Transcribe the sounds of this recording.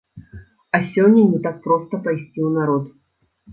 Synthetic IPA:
ɐsʲɔnʲːɐnʲɛt̪ak̚pɾɔst̪ɐpajsʲt͡sʲiwnaɾɔt̪

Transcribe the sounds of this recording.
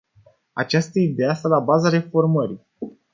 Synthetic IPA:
a̰t͡ʃast̪əid̪east̪alabazaɾe̞fo̞rməɾi

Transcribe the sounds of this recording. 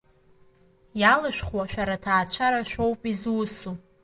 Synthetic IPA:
jalɨʃᶣχwaʃᶣaɾatʰaːt͡ɕʷʰaɾaʃʷᶣo̞wpʼizwʊsu

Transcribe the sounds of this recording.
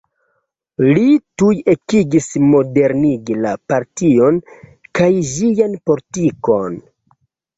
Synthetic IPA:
lituje̞kiɡismo̞de̞ɾniɡilapaɾtio̞nkajʒijanpo̞litiko̞n

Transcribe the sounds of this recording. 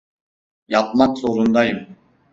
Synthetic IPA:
jɑp̚mɑksoɾund̪ɑjɯm

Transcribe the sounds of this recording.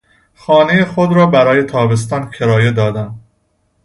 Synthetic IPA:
xɒːnejexod̪ɾɒːbæɾɒːje̞t̪ʰɒːbe̞s̬t̪ɒːnkʰe̞ɾɒːje̞d̪ɒːd̪æn

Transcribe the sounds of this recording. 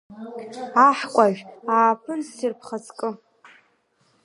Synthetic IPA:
aħkʷʼaʒᶣaːpʰɨnsirpʰχat͡sʰʼkʼɨ

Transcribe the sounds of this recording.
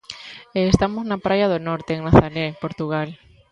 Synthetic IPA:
eːst̪amoznapɾajaðonɔɾt̪eːŋnaθaɾepoɾt̪uɣ̞al

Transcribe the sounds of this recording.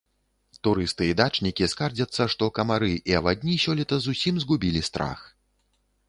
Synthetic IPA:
t̪uɾɨst̪ɨid̪at͡ʂnʲikʲiskard͡zʲɐt̪sːɐʂt̪ɔkɐmaɾɨʔiɐbad̪ʲnʲisʲɔlʲit̪ɐzusʲimzɡubʲilʲist̪ɾa̰x

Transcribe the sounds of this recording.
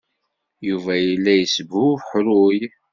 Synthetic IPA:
juvæjəlːæjəsbuħɾʊj

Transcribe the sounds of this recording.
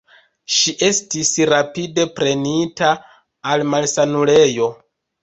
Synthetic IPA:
ʃiʔe̞stisɾapide̞pɾe̞nitaː | lmalsanule̞jo̞

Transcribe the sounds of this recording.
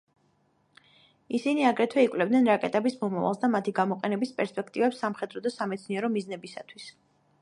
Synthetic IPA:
isiniaɡɾɛt̪ʰwɛikʼlɛb̚d̪nɛnɾakʼɛt̪ʼɛbismɔmava̰lˠsd̪amat̪ʰiɡamɔqʼɛnɛbispʼɛɾspʼɛkʰt̪ʼivɛpsːamχɛd̪ɾɔd̪asamɛt̪sʰniɛɾɔmiznɛbisa̰t̪ʰwis

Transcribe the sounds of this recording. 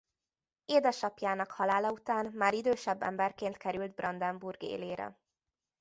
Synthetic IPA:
eːd̪ɛʃɒpjaːnɒkhɒlaːlɒut̪aːnmaːɾid̪øːʃɛbːɛ̰mbɛrkeːnt̪kɛɾyld̪̚brɒnd̪ɛmburɡḛːleːɾɛ̰

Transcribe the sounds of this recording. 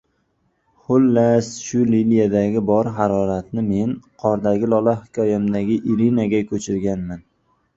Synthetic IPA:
χʊlːasʃʊlilijad̪aɡʲɪbɒɾɦaɾɒɾat̪nɪme̞nqʰɒɾd̪aɡʲɪlɒlˠahɪkʲʰɒjamd̪aɡʲɪʔɪɾinaɡʲakʰʲɵt͡ʃʰɪɾɡʲanman

